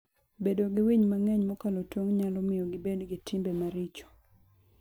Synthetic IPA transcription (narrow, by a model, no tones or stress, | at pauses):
bedoɡɪwiɲmaŋɛɲmɔkalotwoŋɲalɔmɪjɔɡɪbedɡɪtɪmbemaɾɪt͡ʃɔ̥